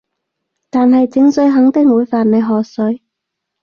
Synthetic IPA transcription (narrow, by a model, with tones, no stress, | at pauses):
t̪aː˨nɦɐ˨jt͡sɪ˨˥ŋsɵ˨˥ɥɦɐ˨˥ŋt̪ɪ˥˨ŋwuː˨˧jfaː˨nne˨˧jɦɔː˨sɵ˨˥ɥ